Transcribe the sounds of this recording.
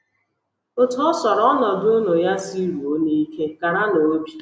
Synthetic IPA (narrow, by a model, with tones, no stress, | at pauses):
o˦tʊ˨˦ɔ˦sɔ˨ɾɔ˦nɔ˨dʊ˦o˦no˨ja˦si˦ɾu˨o˦ni˦i˦ke˦ka˨ɾa˦no˨o˦bi˦